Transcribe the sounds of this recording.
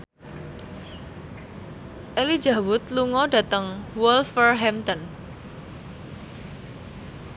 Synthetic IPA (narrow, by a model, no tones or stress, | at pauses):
ʔeli̥d͡ʒa̤wʊt̪luŋɔɖä̤t̪əŋwɔlfərɦɛmt̪ɔn